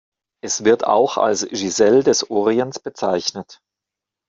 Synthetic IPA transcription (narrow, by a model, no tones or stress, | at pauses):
ʔɛsv̥ɪɐtʰa̰ʊxa̰lsʒizɛldɛsʔoːʁiənt͡sb̥ət͡saɪçnət